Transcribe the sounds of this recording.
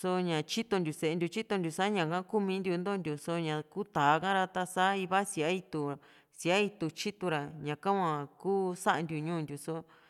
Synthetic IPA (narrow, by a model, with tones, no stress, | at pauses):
so˧ɲã˨t͡ʃi˦t̪o˧nd̪ʲu˨se˨˧nd̪ʲu˧t͡ʃi˦t̪o˧nd̪ʲu˨sa˦ɲã˨kã˦ku˦mĩ˧˦nd̪ʲu˧nd̪o˦˧nd̪ʲu˨so˧ɲã˧ku˦t̪a˨˦kã˦ɾa˧t̪a˧sa˦i˧βa˦si˧˨a˦i˧t̪u˧˨ | si˨a˦i˧t̪u˧t͡ʃi˦t̪u˧ɾa˨ɲã˨kã˦wʷã˧kuː˦sa˦ʔa˧nd̪ʲu˧ɲũː˦˨nd̪ʲju˨so˦